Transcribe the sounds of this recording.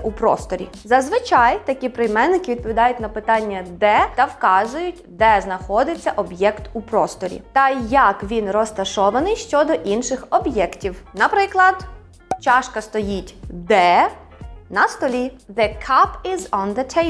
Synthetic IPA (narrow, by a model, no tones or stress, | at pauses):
upɾɔ̰st̪ɔɾʲḭ | zɐzʋɪt͡ʃɑjt̪ɐkʲipɾɪjmɛnːɪkɪʋʲid̪̚pɔʋʲid̪ɑjʊtʲnɐpɪt̪ɑnʲːɐd̪ɛt̪ɐwkɑzʊjʊtʲd̪ɛznɐxɔd̪ɪt͡sʲːɐʔɔbjɛkt̪upɾɔst̪ɔɾʲḭt̪ɐjɐkʋʲinrɔst̪ɐʃɔʋɐnɪjʃt͡ʃɔd̪ɔʔinʃɪxɔbjɛktʲiwnɐpɾɪklˠɐd̪̥ | t͡ʃɑʃkɐst̪ɔjitʲd̪ɛ | nɐst̪ɔlʲiðɪkʰapɪzɔ̃nðət̪ʰe